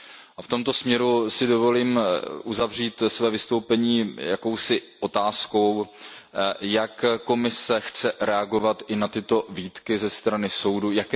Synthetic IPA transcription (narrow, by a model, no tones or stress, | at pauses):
ʔaft̪o̞mt̪o̞smɲɛɾusɪdo̞vo̞liːmʔuzavr̝iːt̪svɛːvɪst̪o̞wpɛɲiːjako̞wsɪʔo̞t̪aːsko̞w | jakko̞mɪsɛxt͡sɛɾɛaɡo̞vat̪ʔɪnat̪ɪt̪o̞viːt̪kɪzɛst̪ɾanɪso̞wdujak